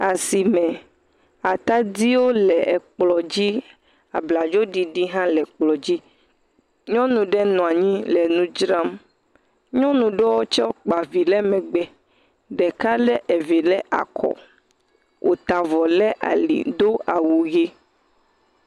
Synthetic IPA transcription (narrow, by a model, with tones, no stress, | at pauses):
a˨si˨mɛ̃˨ | a˨t̪a˦d̪i˦wo˦lɛ˨ɛ˨k͡plɔ˨d͡ʑi˦ | a̰˨bla˨d͡ʒo˦ɖi˨ɖi˦ɦã˦lɛ˨k͡plɔ˨d͡ʑi˦ | ɲɔ̃˦nũ˨ɖɛ˦nɔ̃˨a˨ɲĩ˦lɛ˨nũ˦d͡ʒɾa˦m | ɲɔ̃˦nũ˨ɖɛ˦wo˦t͡ʃɔ˦k͡pa˨vi˨lɛ˦mɛ̃˨ɡ͡bɛ˨ | ɖɛ˨ka˦lɛ˦ʔɛ˨vi˨lɛ˦ʔa̰˨kʰɔ̰˨ | wʔo̰˨t̪a˨vɔ˨lɛ˦ʔa̰˨lḭ˨d̪o˦a˨wu˨ɣe˦